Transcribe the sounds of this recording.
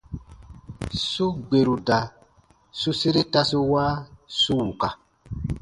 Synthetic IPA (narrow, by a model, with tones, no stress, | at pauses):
su˦ɡ͡be˨ɾu˨da˨ | su˦se˦ɾe˦ta˦su˦waː˦su˦wu˨ka˨